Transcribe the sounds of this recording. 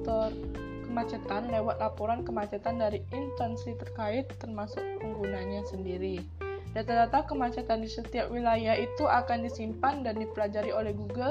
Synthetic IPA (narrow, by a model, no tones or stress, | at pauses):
t̪ɔr | kəmat͡ʃat̪anlewat̪̚lapoɾankəmat͡ʃat̪andaɾiʔint̪ɛnsit̪ərkaɪt̪ːərmasʊk̚pəŋɡunanɲasəndiɾi | dat̪adat̪aŋkəmat͡ʃat̪andisət̪iap̚wilajahit̪uʔakandisimpandandipəlad͡ʒaɾiolɛhɡuɡə